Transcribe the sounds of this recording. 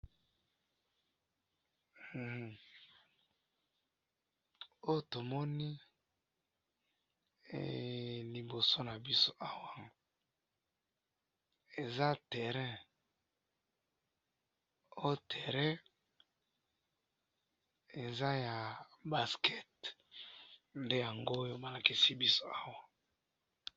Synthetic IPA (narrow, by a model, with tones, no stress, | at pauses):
o˦jo˨to˨mɔ˦ni˦˨ | li˨bo˨so˦na˨bi˦so˦ʔa˨wa˦˨ŋ | e˨za˦tɛ˨ʁɛ̃˦ | o˦jo˨tɛ˨ʁɛ̃˦ | e˨za˦ja˨ba˨skɛ˦t̚ | nde˦ja˨ŋɡo˦jo˦ba˨la˨ki˨si˦bi˦so˦a˦wa˦